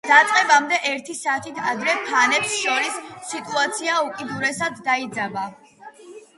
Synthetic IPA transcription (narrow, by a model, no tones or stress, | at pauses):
d̪̥at̪sʼqʼɛbamd̪ɛʔɛɾt̪ʰisaːt̪ʰit̪ʰad̪ɾɛpʰanɛpsʃɔɾisːit̪ʼuat̪sʰiaukʼid̪uɾɛsad̪ːaid̪zaba